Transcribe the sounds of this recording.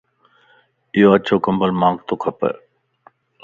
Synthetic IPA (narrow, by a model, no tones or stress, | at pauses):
ɪɦoət͡ɕʰoːkɐmbəlmãːŋɡt̪oːkʰɐpə̰